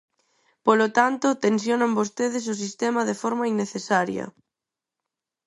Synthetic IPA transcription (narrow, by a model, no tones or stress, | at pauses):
polot̪ant̪ʊt̪ensjonambost̪eðɪs̬ʊs̬ist̪emɐðefɔɾmɐiŋnːeθesaɾjɐ̰